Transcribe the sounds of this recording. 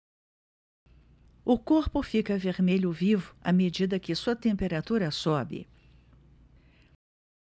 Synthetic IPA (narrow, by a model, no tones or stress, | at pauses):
ʊkoɾpʊfikɐveɾmeʎʊvivʊɐ̰med͡ʒid̪ɐkɪsuɐt̪ẽmpeɾat̪uɾɐsɔbɪ̰